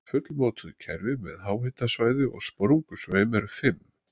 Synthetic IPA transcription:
fʏt̪lmoːt̪ʏðʏcʰɛɾvɪmɛ̰ðhaːwhɪt̪asvaːjðʏʔɔ̰ɣspɾuŋkʏsveːjmɛɾʏfɪmː

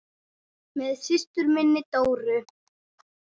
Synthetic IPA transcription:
mɛðsɪst̪ʏɾmɪnːɪt̪oːwɾʏ

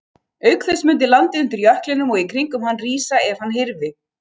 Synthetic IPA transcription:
œɥkθɛsmʏnt̪̬ɪlant̪ɪʏnt̪ʏɾjœhklɪnʏmɔɣikʰɾiŋkʏmɦanːriːsaɛv̥hanːɦɪɾvɪ

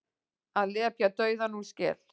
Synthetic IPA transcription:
aleapjat̪ɔjðanuskɛ̰l

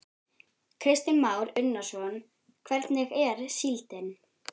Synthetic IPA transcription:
kʰɾɪst̪ɪnmaːwɾʏnːḁsɔn | kʰvɛɾt̪nɪɣɛɾsilt̪ɪn

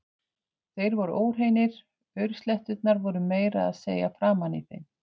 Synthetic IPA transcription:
θejɾvɔɾʏʔoːwr̥ɦejnɪɾ̥ | œɥɾst̪lɛht̪ʏt̪̚naɾvɔɾʏmeːjɾa̰ːðsḛːjafɾaːmanḭθḛjn

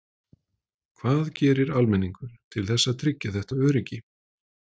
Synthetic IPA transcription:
kʰvaːðcɛːɾɪɾalmɛnːiŋkʏɾ̥t̪ʰɪlθɛsːaðt̪ʰɾɪcːaθɛht̪aœːɾɪcɪ

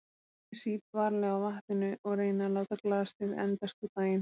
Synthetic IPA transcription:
siːpvaɾlɛɣawvaht̪ɪnʏʔɔɣɾeːjnaloːwt̪aklaːðast̪ɪðɛ̰nt̪ast̪ut̪aːjɪn

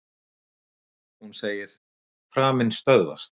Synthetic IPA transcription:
hunseːjɪɾ̥ | fɾaːmɪnst̪œðva̰st̪

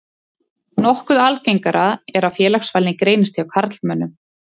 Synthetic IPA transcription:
nɔhkʏðalcejŋkaɾʔaɛɾaðfjɛːlaxsvaːlɪkɾeːjnɪst̪ʰiawkʰaɾt̪l̥mœnːʏm

